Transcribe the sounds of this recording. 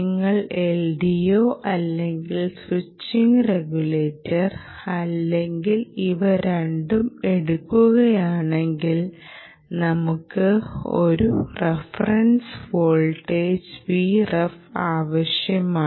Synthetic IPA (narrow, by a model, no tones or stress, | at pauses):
ŋːɐɭelɖijoːʔɐlːe̞ŋɡilswit͡ɕːiŋɡreɡule̞ːtːɐr | ɐlːe̞ŋɡiliʋɐɾe̞ɳɖume̞ɽukːuɣɐjaːɳe̞ŋɡil | nɐmukːɨo̞̰ɾurefɐrɐnsʋoːɭʈːeːd͡ʑʋiːrɐfaːʋɐɕjɐmaː